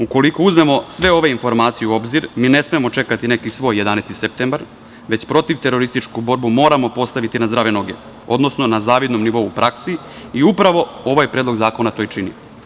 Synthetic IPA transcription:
uko̞liko̞uzme̞mo̞sʋe̞o̞ʋe̞info̞ɾmaːt̪sijuuo̞bziɾmiːne̞smeemo̞t͡ʃe̞kat̪ine̞kisʋo̞ːjːe̞d̪aːnest̪isep̚t̪embaɾ | ʋet͡ɕpɾo̞t̪iʋt̪e̞ɾo̞ɾist̪it͡ʃkubo̞ɾbumo̞ːɾamo̞po̞st̪aʋit̪inazd̪ɾaːʋeno̞ɡe | o̞̰d̪nosno̞nazaːʋid̪no̞mniʋo̞upɾʔaksiiupɾaʋo̞o̞ʋajpɾed̪lˠo̞ɡzaːko̞nat̪o̞ːjt͡ʃini

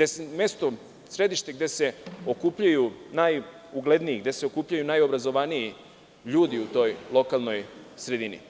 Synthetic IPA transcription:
esmest̪o̞ | sɾe̞d̪iʃt̪e̞ɡd̪e̞se̞o̞kupʎajunaj | uɡle̞d̪nijiɡd̪e̞se̞okupʎajunajo̞bɾazo̞ʋaniji | ʎuːd̪iut̪o̞jlˠo̞kalˠno̞jsɾe̞d̪inḭ

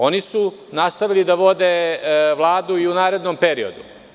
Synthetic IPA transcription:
o̞nisunast̪aʋilid̪aʋo̞d̪eʋlˠaːd̪uiunaːɾe̞d̪nompeɾiod̪u

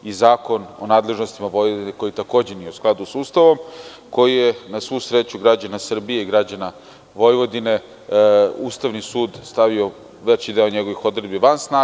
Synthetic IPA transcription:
izaːko̞no̰naːd̪le̞ʒno̞st̪imaʋo̞jʋod̪ineko̞jit̪ako̞ːd͡ʑenijeusklˠad̪usuːst̪aʋo̞m | ko̞jijenasʋuːsɾe̞t͡ɕuɡɾad͡ʑanasr̩bijeiɡɾad͡ʑana | ʋo̞jʋo̞d̪ine̞ | uːst̪aʋnisuːd̪st̪aʋio̞ | ʋe̞t͡ɕid̪eoɲe̞ɡo̞ʋixo̞d̪ɾred̪biʋansnaː

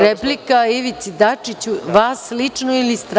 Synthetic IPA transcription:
ɾeplikaiʋit̪sid̪at͡ʂit͡ɕuʋaːslit͡ʂnoilist̪ɾ

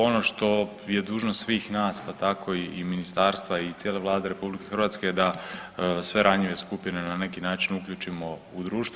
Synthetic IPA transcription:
o̞no̞ʃt̪o̞ | je̞d̪uːʒnost̪sʋiːxnaːspat̪akʰo̞iːminist̪aːɾst̪ʋait̪sjeleʋlˠaːd̪eɾe̞publike̞xrʋaːt̪sked̪a | sʋe̞ɾaɲiʋe̞skupjinenane̞kinaːt͡ʃinukʎut͡ʃimo̞ | ud̪ɾuːʃt̪

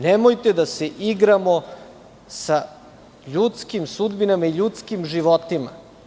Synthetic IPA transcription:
nemojt̪ed̪aseʔiɡɾamo̞ | sa | ʎut̪skimsud̪binamaiʎut̪skimʒiʋot̪ima̰

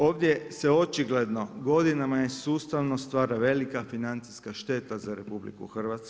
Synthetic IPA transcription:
o̞ːʋd̪jeseo̞t͡ʃiɡle̞d̪no̞ɡo̞d̪inamajesuːst̪aʋno̞st̪ʋaːɾaʋe̞likafinant̪siskaʃt̪e̞t̪azaɾe̞publḭkṵxr̩ʋat̪sk

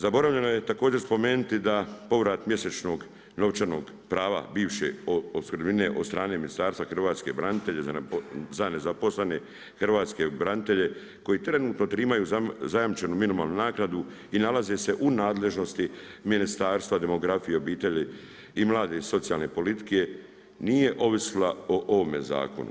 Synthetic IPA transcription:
zabo̞ɾavʋʎe̞noje̞t̪ako̞ːd͡ʑe̞ɾspo̞meːnut̪id̪apo̞ʋɾaːt̪mje̞se̞t͡ʃno̞ɡ | no̞ʋt͡ʃano̞̰ːɡ | pɾaːʋa̰biːʋʃḛooskɾd̪bine̞ʔod̪st̪ɾaːne̞minist̪aːɾst̪axrʋaːt̪ske̞bɾanit̪e̞ʎe̞zzane̞zapo̞slene̞ | xr̩ʋaːt̪ske̞bɾanit̪e̞ʎe̞ | ko̞jit̪ɾe̞nuːt̪no̞t̪ɾiːmajuːzazajamt͡ʃenuminimaːlnunaːknad̪u | inalazese̞ʔunaːd̪le̞ʒno̞st̪iminist̪aːɾst̪ʋad̪e̞mo̞ɡɾafije̞o̞biːt̪e̞ʎi | imlˠaːd̪e̞so̞t̪sijalne̞po̞lit̪i̥ke̞ | nije̞ʔo̞ʋisilaoʔoʋome̞za̰ːko̞̰nṵ

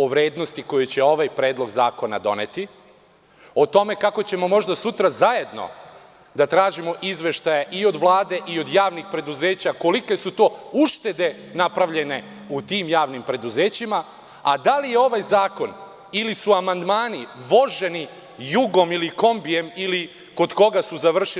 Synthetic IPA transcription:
oʋɾe̞ːd̪nost̪iko̞jet͡ɕe̞o̞ʋajpɾe̞ːd̪lˠo̞ɡza̰ːko̞na̰d̪o̞̰ne̞t̪i | o̞t̪o̞me̞kako̞t͡ɕe̞mo̞mo̞ʒd̪asut̪ɾazaje̞d̪no̞̰ | d̪at̪ɾaːʒimo̞ʔizʋe̞ʃt̪ajeʔio̞d̪ʋlˠaːd̪e̞ʔio̞d̪jaːʋnixpɾe̞d̪uze̞ːt͡ɕako̞like̞sut̪o̞ːuʃt̪e̞d̪e̞ | napɾaʋʎe̞ne̞ | ut̪iːmjaːʋnimpɾe̞d̪uze̞ːt͡ɕima | a̰d̪alijeo̞ʋajzaːko̞n | ilisuamand̪maːniʋo̞ʒe̞ni | juɡo̞miliko̞mbije̞mili | ko̞d̪ko̞ɡasuzaʋr̩ʃi

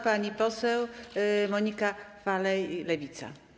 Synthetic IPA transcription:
paɲipɔsɛwmɔɲikafalɛjlɛvʲit̪sa̰

